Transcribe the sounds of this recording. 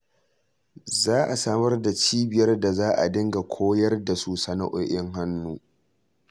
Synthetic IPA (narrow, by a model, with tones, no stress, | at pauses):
zaː˦ʔa˨saː˦mɐ˦rda˨t͡ʃiː˦bɪ˨jɐ˦rda˨zaː˦ʔa̰˨dɪ˦ŋɡa˨kʷʰoː˦jɐ˦rda˨suː˨sa˦na̰˦ʔoː˨ʔɪ˦ŋɦa˦nːuː˦